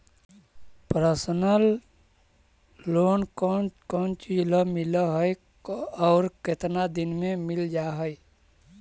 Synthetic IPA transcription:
pəɾəsnəl | oːnkɔkɔːnt͡ʃid͡ʒləmiləɦəj | ɔːɾket̪nad̪inmemɪld͡ʒaɦəj

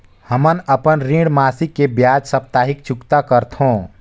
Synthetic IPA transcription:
həmənəpənɾĩɽmaːsikːebjaːd͡ʒsəp̚t̪aːɦɪk̚t͡ʃʊkt̪akəɾt̪ʰɦõː

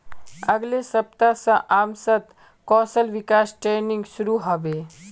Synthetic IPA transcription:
ɐɡlesɐp̚t̪asãʔaːmsɐt̪ | kɔːsəlʋikaːsʈɾeːniŋɡʃuɾuɦɐʋe

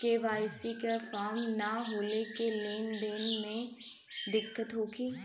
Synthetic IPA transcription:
keʋaːjsikefʰaːɾmnaɦoːlekeleːnd̪eːnmẽ | d̪ɪkːət̪ɦoːkiː

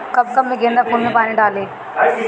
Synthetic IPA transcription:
kɐb̚kɐbmẽɡẽːnd̪akʰonmẽpaːnĩɖaːlẽː

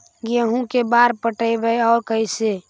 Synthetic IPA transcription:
ɡeɦũkebaɾpəʈəjbəjɔːɾkəɪse

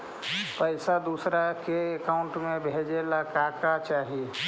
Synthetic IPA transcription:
pəɪsad̪uːsɾakeːkaʊ̃ɳʈmẽbʱed͡ʒelakakat͡ʃaːɦi

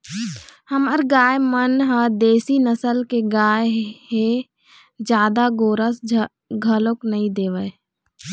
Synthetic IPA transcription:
hɐmaɾɡaːjemənɦəd̪eːsinəsəlkeɡaːeɦe | d͡ʒjaːd̪aɡoːɾəs | ɡʱəloknɐɦĩd̪eːʋə

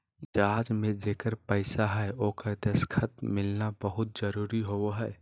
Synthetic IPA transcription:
d͡ʒaːd͡ʒmẽd͡ʒeːkəɾpəɪsaɦɛoːkəɾd̪eskʰət̪mɪlnabəɦʊt̪̚d͡ʒəɾuːɾiɦoɦɛː

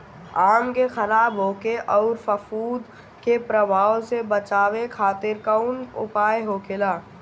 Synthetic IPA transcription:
aːmkexɐɾaːbɦoːkeʔɔːɾfəfuːd̪ | kepɾəbʱaːosebət͡ʃaːwekʰaːt̪ɪɾkəʊnʊ̰paːeɦokʰɪlaː

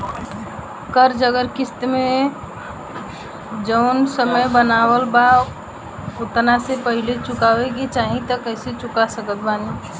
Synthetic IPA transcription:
kəɾd͡ʒəɡəɾkɪst̪mẽ | d͡ʒəʊnsəməjbənaːwəlba | ʊt̪nasepəɦɪlet͡ʃʊkaweɡet͡ʃaːɦĩt̪əkəɪset͡ʃʊkasəkət̪baːni

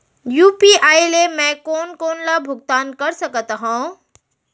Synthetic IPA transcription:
jupiajlemɛ̃konkonlabʱʊɡ̚t̪aːnkəɾsəkət̪ɦũ

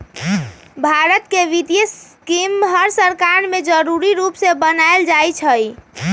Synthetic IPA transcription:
bʱaɾət̪keʋit̪ijəs | kimɦəɾsəɾkaɾmed͡ʒəɾuɾiɾupsebənaeld͡ʒajt͡ʃʰəj

